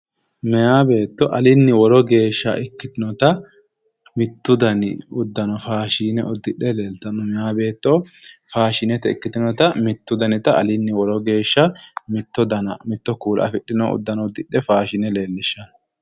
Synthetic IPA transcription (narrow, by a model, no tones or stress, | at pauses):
mɛjaːbe̞ːt̪ːɔʔɐlɪnːɪwɔɾɔɡe̞ːʃːɐ̰ʔɪkːɪt̪ɪnɔt̪ɐ | mɪt̪ːʊd̪ɐnɪ̰ʊd̪ːɐnɔfaːʃiːnɛɔd̪ːɪɗːɛle̞ːlt̪ɐnɔmɛjaːbe̞ːt̪ːɔfaːʃɪnɛt̪ɛɪkːɪt̪ɪnɔt̪ɐmɪt̪ːʊd̪ɐnɪt̪ɐʔɐ̰lɪnːɪwɔɾɔɡe̞ːʃːɐmɪt̪ːɔd̪ɐnɐ̰mɪt̪ːɔkuːlɐ̰fɪɗːɪnɔʊ̰d̪ːɐnɔd̪ːɪɗːɛfaːʃɪnɛle̞ːlːɪʃːɐnɔ